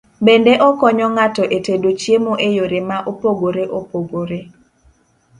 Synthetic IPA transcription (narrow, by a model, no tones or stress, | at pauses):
bendeʔɔkɔɲɔŋatɔʔetedot͡ʃjemoʔejoɾemaʔopoɡoɾeʔopoɡoɾe